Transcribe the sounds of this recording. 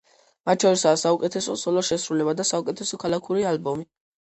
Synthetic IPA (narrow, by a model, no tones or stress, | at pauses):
mat̪̚ʰt͡ʃʰɔɾisaːsaukʼɛt̪ʰɛsɔsɔlɔʃɛsɾulɛbad̪asaukʼɛt̪ʰɛsɔkʰalakʰuɾialbɔmi